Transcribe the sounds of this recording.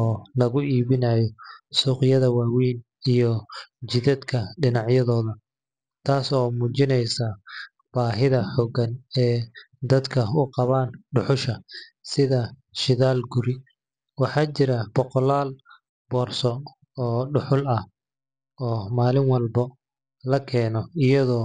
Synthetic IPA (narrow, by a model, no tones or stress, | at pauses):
ɔːlɐɣʊʔiːβɪnaːjɔsuːqɪjɐðɐwaːwiːn | ijɔt͡ʃɪðɐd̪kʰɐɖɪnɑʕjɐðɔːðɐ | t̪ʰaːsɔːmuːt͡ʃɪnɛjsɐ | b̥aːɦɪðɐħɔɡɐnɛː | d̪ɐd̪kʰɐʊqɑβaːnɖʊħʊʃɐsɪðɐʃɪðaːlɡʊɾɪ | wɑħɑːt͡ʃɪɾɐbɔqɔlaːl | b̥ɔːrsɔ | ɔːɖʊħʊlɐh | ɔːmaːlɪŋwɑlbɐ | lɐkʰɛːnɔɪjɐðɔː